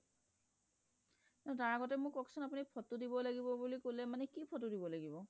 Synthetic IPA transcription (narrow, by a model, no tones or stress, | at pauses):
nataɹaɡɔtɛmʊkɔksɔnapunipʰɔtudibɔlaɡibɔbulikolɛmanɛkipʰɔtudibɔlaɡibɔ